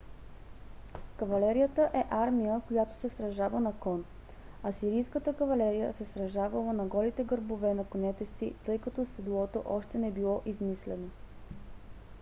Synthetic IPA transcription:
kɐvɐlɛɾijət̪əʔɛʔaɾmijəkojat̪o̥sɛsɾɐʒavənɐkɔn | ɐsiɾijskət̪əkɐvɐlɛɾijə̰sɛsɾɐʒavəlˠənɐɡɔlit̪ɛɡəɾbovɛnɐkonɛt̪ɛsḭt̪ɤjkɐt̪ɔsɛd̪lˠɔt̪o̰ʔɔʃt̪ɛnɛbilˠɔʔizmislɛno

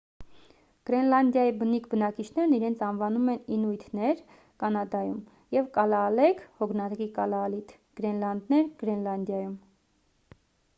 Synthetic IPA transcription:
ɡ̥ɾɛnlɑnd̪jɑjibənikʰbənɑkit͡ʃʰnɛɾniɾɛnt͡sʰɑnvɑnumɛninujt̪ʰnɛɾ | kɑnɑd̪ɑjum | jɛvkɑlɑːlɛkʰhɔɡnɑɾkikɑlɑːlit̪ʰ | ɡ̥ɾɛnlɑnd̪nɛɾɡ̥ɾɛnlɑnd̪jɑjum

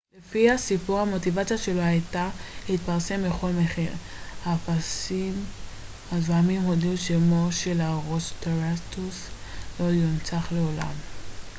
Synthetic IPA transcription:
lefihasipuʁhamo̞tivat͡sijaʃe̞lohajtahit̚paʁse̞mbeχo̞lmeχiʁ | hafasim | hazvamimhoduʃemo̞ʃe̞laʁosteʁastuslo̞junt͡saχle̞ola̰m

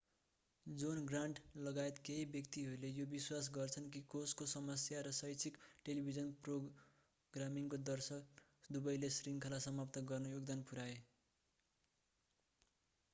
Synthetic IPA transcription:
d͡zunɡraɳʈlʌɡaet̪keɦibjʌkt̪iɦʌɾulejobiswas̬ɡʌrt͡sʰʌnk̬ikoskosʌmʌsjaɾʌsʌjt͡sʰikʈelibʱid͡zʌnpro | ɡramiŋkod̪ʌrsʌkd̪ubʌjlesriŋkʰʌlasʌmapt̪ʌɡʌrnʌjoɡd̪anpuɾae

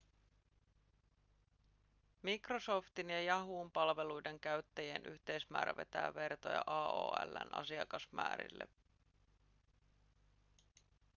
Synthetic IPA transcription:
mikroso̞ft̪injɑjɑɦuːmpɑlʋe̞lujde̞ŋk̟æɥt̪ːæjienʔy̰çt̪e̞jsmæ̰ːɾæʋe̞t̪æːʋe̞rt̪o̞̰jɑ̰ʔɑːo̰ːælːæ̰nɑ̰siɑkɑsmæ̰ːɾḭlːe

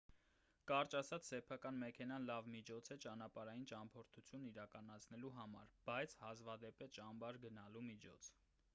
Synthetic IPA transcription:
kɑɾt͡ʃɑsɑt͡sʰsɛpʰɑkɑnmɛkʰɛnɑnlɑvmit͡ʃʰɔt͡sʰɛt͡ʃɑnɑpɑɾɑjint͡ʃɑmpʰɔɾt̪ʰut͡sʰjunːiɾɑkɑnɑt͡sʰnɛluɦɑmɑ̰ɾb̥ɑjt͡sʰhɑzvɑd̪ɛpɛt͡ʃɑmbɑɾɡənɑlumit͡ʃʰɔ̰t͡sʰ

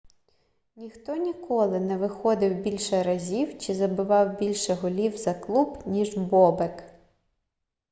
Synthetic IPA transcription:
nʲixt̪ɔnʲikʰɔlˠɪnɛʋɪxɔd̪ɪwbʲilʲʃɛɾɐzʲiwt͡ʃɪzɐbɪʋɑwbʲilʲʃɛɦʊlʲiwzɐklˠubnʲiʒbɔbek

